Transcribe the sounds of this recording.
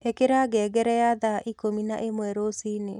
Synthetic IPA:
ekeɾaɡɛːɡɛɾɛjaðaʔikomina̰ʔemwɛɾosiːne

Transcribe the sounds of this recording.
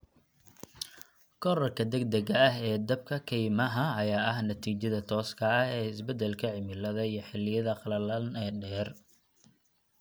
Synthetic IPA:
kʰɔɾɐrkʰɐd̪ɛɡ̚d̪ɐɣɐɐɦɛːd̪ɐb̚kʰɐkʰɛjmɐɦɐɐjaːɐɦnɐt̪ʰiːt͡ʃɐðɐt̪ʰɔːskʰɐɐhɛːɪsbɛd̪ɛlkʰɐʕɪmɪlɐðɐijɞħɪlːɪjɐðɐqɑlɐlɐnɛːɖɛːr

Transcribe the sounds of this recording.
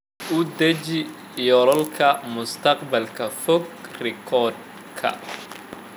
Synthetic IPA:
ʊd̪ɐt͡ʃi | jɔɾɔlkʰɐmʊst̪ʰɐqbɐlkʰɐfɔɡ̚rɪkʰɔd̪̚ | kʰɐ̰

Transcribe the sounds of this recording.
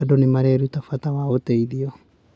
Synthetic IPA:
adɔnemaɾɛɾutafuatawaoteiðiɔ

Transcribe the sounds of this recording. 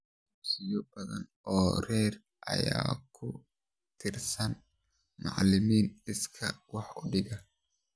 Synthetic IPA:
ɪbsɪjʊʔɐɡɐn | oːɾeːɾ | ʔɐ̰jaːkʰːʊ | t̪ʰɪɾsɐn | ma̰ʕlɪmiːnɪskʰɐwaħʊd̪ɪɡɐ

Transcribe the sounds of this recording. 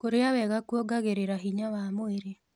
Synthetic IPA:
koɾeawɛɣakuɔɡaɣeɾeɾaɦiɲawamoeɾe

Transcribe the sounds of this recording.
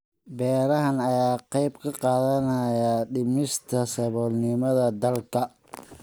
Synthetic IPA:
bɛːɾɐɦɐnɐjaːqɑjbkʰɐqɑːðɐnɐjɐɖɪmɪst̪ʰɐsɐβɔːlnɪmɐðɐd̪ɐlkʰɐ

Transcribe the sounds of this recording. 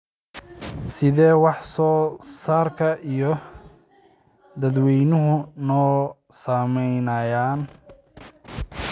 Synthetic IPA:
sɪðɛːwɑħsɔːsaːrkʰɐʔijɔ | d̪ɐd̪wɛjnʊɦʊnɔː | saːmɛjnɐjaːn

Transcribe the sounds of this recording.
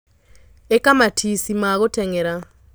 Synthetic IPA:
ekamatʰisimaɣotɛŋɛɾa

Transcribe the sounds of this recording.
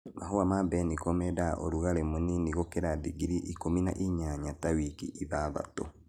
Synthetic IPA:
mʔaɦuamabɛnikɔmɛdaʔo̰ɾuɣalemoniniɣokeɾadiɡiɾiʔikomina̰ʔiɲaɲatawikḭʔiβaβa̰to

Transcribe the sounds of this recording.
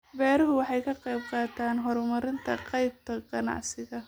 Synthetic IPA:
bɛːɾɐɦʊwɑħɑjkʰɐqɑjb̚qɑːt̪ʰaːnɦɔɾmɐɾɪnt̪ʰɐqɑjb̚t̪ʰɐqɑnɑ̰ʕsɪɣɐ

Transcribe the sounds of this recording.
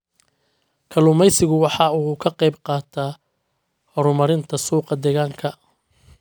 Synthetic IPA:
kʰɐlʊmɛjsɪɣʊwɑħɑuːkʰɐqɛjb̚qɑːt̪ʰaː | hɔɾʊmɐɾɪnt̪ʰɐsuːqɑd̪ɛɣaːŋkʰɐ

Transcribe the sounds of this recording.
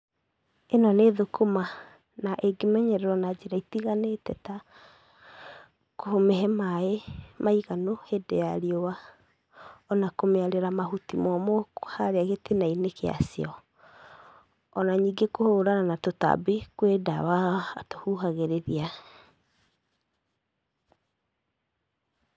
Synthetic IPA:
enɔneðokʰoma | naʔeɡemɛɲɛɾɛɾwɔnad͡ʑeɾaitiɣanetɛta | kohomɛɦɛmaemaiɣanohedḛaɾiowa | ɔnakomeaɾeɾamaɦutimɔmohaɾeaɣetenainekea̰siɔ | ɔnaɲiːɡekohoɾananatota̰bekweda̰waatohuɦaɣeɾeðia

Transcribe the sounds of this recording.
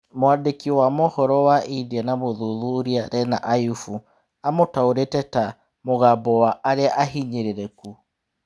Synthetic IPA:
mwadekiwamohɔɾɔwaʔidanamoðuðuɾiaɾɛnaʔajufu | amotaoɾetɛta | moɣabɔwaʔːɾeaʔaɦiɲeɾeɾɛku

